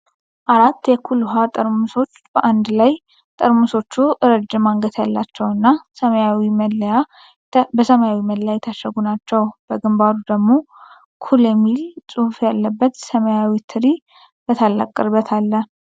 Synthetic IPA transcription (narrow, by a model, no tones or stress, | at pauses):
ʔaɾat̪ːjɛkʰuluɦat̪ʼəɾmuso̞t͡ʃːbəʔand̪laj | t̪ʼəɾmuso̞t͡ʃːuʔɨɾəd͡ʒːɨmaŋɡət̪ʰjalːat͡ʃːɛwɨnːasəməjawiməlːəja | bəsəmajawiməljajɛt̪ʰaʃəɡunat͡ʃːɛwb̥əɡɨmbad̪ud̪əɡmo̞ | kʰuljɛmːilsʼuhfjalːəbːət̪səməjawit̪ʰɨɾi | b̥ət̪ʰalːa̰kʼːɨɾbət̪ʰalːə